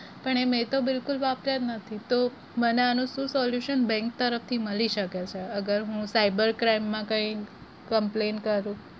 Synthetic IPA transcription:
pəɳemet̪obɪlkulʋapɾət̪nət̪ʰit̪o | məneanũsũsɔljuʃənbɛ̃ŋk̚t̪əɾəft̪ʰiməliʃəket͡ʃʰeəɡəɾɦũsaibəɾkɾaimːãkə̃ĩ | kəmplenkəɾũ

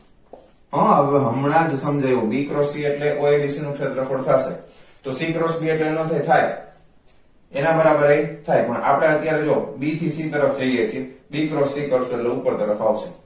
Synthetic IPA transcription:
ə̃əʋɦəmɳ̃ad͡ʒsəmd͡ʒajũbikɾɔsieʈleʔoeʋiʃenũkʰʃet̪ɾəkʰoɽt̪ʰaʃḛt̪osikɾosbʱieʈlenət̪ʰajt̪ʰaj | enabəɾabəɾaet̪ʰajpəɳa̰pɽ̃eət̪jaɾed͡ʒoobit̪ʰisit̪əɾəfd͡ʒəijet͡ʃʰiebikɾɔsikɾɔsələupəɾt̪əɾəfawt͡ʃʰe

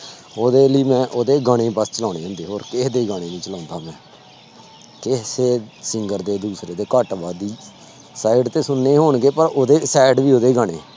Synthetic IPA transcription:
oːd̪eːliːmɛ̃ːʔoːd̪eːɡaɽ̃eːbəst͡ʃəlãːneːãːnd̪eːɦoːɾkɪd̪eːɡaːɽ̃eːnĩːt͡ʃəlãːnd̪aːmɛ̃ː | kɪseːsɪŋɡəɾd̪eːd̪uːsɾeːd̪eːkəʈʋaːd̪iː | saːɪɖt̪eːsʊnːeːɦoːɳɡeːpəɾoːd̪eːsɛːɖʋiːoːd̪eːɡaːɽḛː

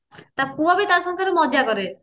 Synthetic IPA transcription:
t̪akuabit̪aɾsɔŋkʰaɾemɔd͡ʒakɔɾe

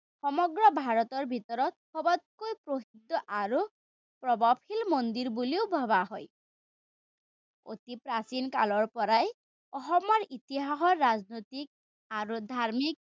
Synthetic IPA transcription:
xɔmɔɡɹɔbʱaɹɔt̪ɔɹbʱit̪ɔɾɔt̪̚xɔbɔt̪̚kojpɾoɦid̪ːɔʔaɾu | pɹɔbapʰilmond̪iɹbuliobʱɔβaɦɔj | o̰t̪ipɾasinkalɔɹpɔɾaj | ɔɦɔmɔɹit̪iɦaɦɔɹːaznot̪ik̚ | aɾud̪ʱaɹmik̚

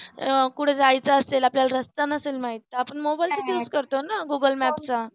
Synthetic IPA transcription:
kuʈʰed͡zajt͡saəselapljalaɾəst̪anəselmaɦit̪ːaapəɳmobajlt͡səjud͡zkəɾt̪onaɡuɡəlmæpt͡sa

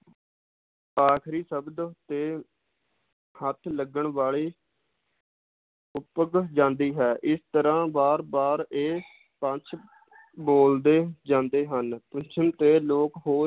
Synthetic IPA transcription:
aːkʰɾiːsəbd̪t̪eː | hət̪ʰləɡəɳʋaːliː | ʊpəɡd͡ʒãːnd̪iːɦɛːʔɪst̪əɾãːbaːɾbaːɾeː | pə̃t͡ʃʰ | boːld̪eːd͡ʒãːnd̪eːɦənpət͡ʃʰəmt̪eːloːkɦoː

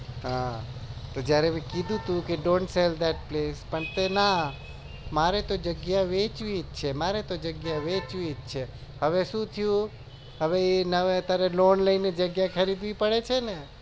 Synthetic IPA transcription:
ɦã | t̪od͡ʒjaɾemɛ̃kid̪ʱũt̪ʰũkeɖõɳʈseld̪ɛʈ̚plespəɳt̪ena | maɾet̪od͡ʒəɡjaʋet͡ʃʋit͡ʃʰemaɾet̪od͡ʒəɡjaʋet͡ʃʋied͡ʒt͡ʃʰe | həʋeʃũt̪ʰijũ | ɦəʋeenəʋet̪aɾelonləined͡ʒəɡjakʰəɾid̪ʋipəɽet͡ʃʰene

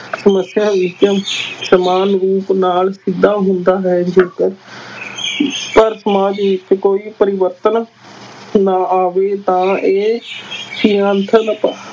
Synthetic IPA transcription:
səməsjaːʋɪt͡ʃsəmaːnɾuːpnaːlsɪd̪aːɦʊnd̪aːɦɛːd͡ʒeːt̪ | pəɾsəmaːd͡ʒʋɪt͡ʃkoːiːpəɾɪʋəɾt̪ən | naːaːʋeːt̪ãːeːsiːãːnt̪ʰənəpa

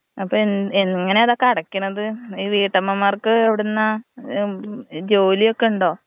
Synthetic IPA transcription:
ɐpːoeneŋŋːɐne̞ɐðoːkːɐɽɐkːunːɐðɨiːʋiːʈːɐmːɐmːaːrkɨeʋiɽunːɐ | d͡ʑo̞ːlijo̞kːe̞uɳɖo̞ː

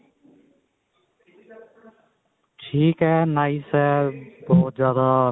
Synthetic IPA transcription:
ʈʰiːkɦɛːnaːɪsɦɛːbɔːt̪̚zjaːd̪aː

